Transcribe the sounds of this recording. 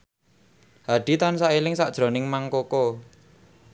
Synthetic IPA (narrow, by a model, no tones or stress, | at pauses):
haɖ̥it̪ansaʔilɪŋsad̥ʒ̥ɾo̤nɪŋmaŋkoko